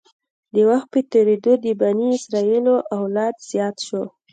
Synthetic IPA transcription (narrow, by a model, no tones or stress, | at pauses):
d̪əwaxt̪̚pət̪eɾed̪od̪əbaniɪsɾɑiloʔawlɑd̪z̥jɑt̪ʃo